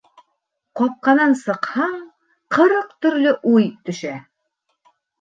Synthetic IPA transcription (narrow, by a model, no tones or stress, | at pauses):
qɒp̚qɑnɑnsɤ̆qhɑɴ | qɤ̆ɾɤqt̪ɵ̆ɾlɵʔujt̪ɵ̆ʃæ